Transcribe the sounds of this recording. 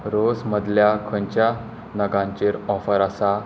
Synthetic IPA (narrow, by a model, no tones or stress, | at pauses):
ɾosməd̪ljakʰəɲt͡ɕja | nəɡãɲt͡ɕeɾɔfəɾasa